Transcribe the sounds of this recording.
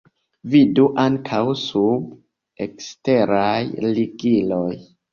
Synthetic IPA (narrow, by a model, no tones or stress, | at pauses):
viduʔaŋkʰawsub | ekste̞ɾajliɡiloj